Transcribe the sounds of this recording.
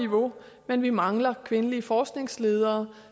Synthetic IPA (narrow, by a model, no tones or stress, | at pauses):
iʋo̝ | menʋimɑ̈ŋlɐkʰʋe̝nəliəfɒːsɡ̥ne̝ŋsle̝ːð̞ˠɐː